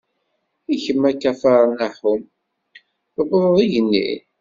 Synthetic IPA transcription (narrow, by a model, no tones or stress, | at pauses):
içəmːækːæfɑɾˤnaħʊm | əbðˤðˤiʝənːḭ